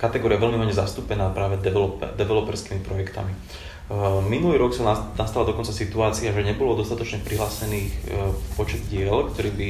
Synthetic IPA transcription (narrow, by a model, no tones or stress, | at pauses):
kat̪ɛɡɔːɾiaʋɛlmiɦɔɲɛzast̪uːpɛnaːpɾaːʋɛd̪ɛɛlɔpd̪ɛʋɛlɔpɛɾskiːmipɾɔjɛkt̪a̰mi | minuliːɾɔksɔnast̪alad̪ɔkɔnt͡sasit̪uaːt͡siaʒɛɲɛbɔlɔd̪ɔst̪at̪ɔt͡ʃɲɛpɾiɦlaːsɛniːxpɔt͡ʃɛd̪ɟɪɛlkt̪ɔɾiːbi